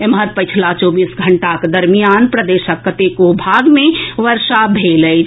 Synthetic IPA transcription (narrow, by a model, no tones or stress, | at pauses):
emɦəɾpət͡ʃʰlat͡ʃoːbiːsɡʱəɳʈakd̪əɾmijaːnpɾəd̪eːʃəkːət̪ekobʱaɡmẽʋəɾʃabʱeːləj